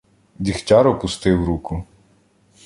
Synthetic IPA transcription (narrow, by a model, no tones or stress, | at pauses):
dʲixtʲɑɾɔpʊst̪ɪwɾukʊ